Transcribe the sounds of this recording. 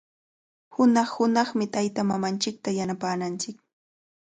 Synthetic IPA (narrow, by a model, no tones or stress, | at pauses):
hʊnɑχhʊnɑχmɪt̪ajt̪amamant͡ʃɪk̚t̪ajanapaːnant͡ʃɪk